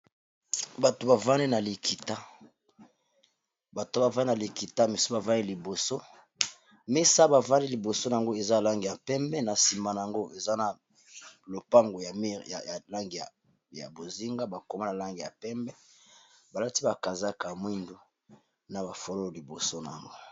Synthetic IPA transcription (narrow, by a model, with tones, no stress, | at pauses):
ba˨to˨ba˨va˦ni˦na˨li˨kʰi˨ta˦ | ba˨to˨˦ba˨va˦na˨li˨ki˨ta˦mi˨so˦ba˨va˦ni˦li˨bo˨so˦ | me˦sa˦ba˨va˦ni˦li˨bo˨so˦na˨a˨ŋɡo˦e˨za˦˨la˦ŋɡi˨ja˨pɛ˦mbɛ˦na˨si˨ma˨na˨a˨ŋɡo˦ʔe˨za˦na˨ | lo˨pa˦ŋɡo˨ja˨mi˦˨ja˨ja˨la˦ŋɡi˨a˨ | ja̰˨bo˨zi˦ŋɡa˦ba˨ko˨ma˦na˨la˦ŋɡi˨ja˨pɛ˦mbɛ˦ba˨la˦ti˦ba˨ka˨za˦ka˨mwi˦ndu˦ | na˨ba˨fo˨lo˦lo˨li˨bo˨so˦n˨a̰˨ŋɡo˦